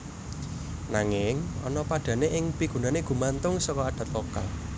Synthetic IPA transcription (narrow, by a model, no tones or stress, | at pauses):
naŋɪŋɔ̰nɔpaɖ̥a̤neʔɪŋpiɡ̥ṳnaneɡ̥ṳmant̪ʊŋsɔkɔaɖ̥ä̤t̪loka̰l